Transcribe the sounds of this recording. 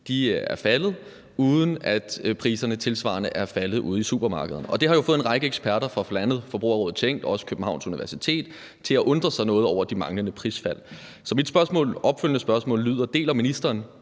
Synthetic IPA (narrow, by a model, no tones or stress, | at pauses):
d̥iæɐfælð̞̩ˠ | uːð̞ˠən̩æd̥pʰʁḭːsɐnət͡sʰe̝lsʋɑ̰̈ɐnəʔæɐfælð̩ˠʔṵːð̞̩ˠisṵb̥ɐmɑ̈ːɡ̥əðˠnɒ̽d̥e̝hɑ̈jo̝fɔ̽ð̩ˠenʁɑ̈ɪɡ̥əeɡ̥sb̥æɐɾɐfʁɑ̈flænəð̩ˠfɒb̥ʁṵːɐʁɔ̽ːð̩ˠt͡sʰeŋ̰d̥ɒɒ̽sə̥kʰøb̥n̩hɑ̈ʊ̰nsuniʋæɐsit͡sʰe̝̰ːd̥ | t͡sʰe̝læʔɔ̽nd̥ʁɐsɑ̈ɪnɔ̽ːð̩ˠɒ̰ʊ̰ɐd̥imɑ̈ŋlənəpʰʁiːsfæl̰ | sɒ̽mid̥sb̥ɶɐsmɔ̰ːlʔɒ̽b̥føljənəsb̥ɶɐsmɔ̰̽ːlːyð̞̰ˠɐd̥e̝̰ːlæminisd̥ʁɐːn